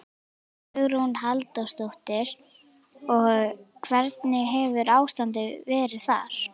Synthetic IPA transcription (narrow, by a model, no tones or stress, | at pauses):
ʏɣɾunhalt̪ɔst̪owht̪ɪɾ̥ | ɔɣkʰvɛɾt̪nɪɛvʏɾaːwst̪ant̪ɪvɛːɾɪ̥θa̰ɾ̥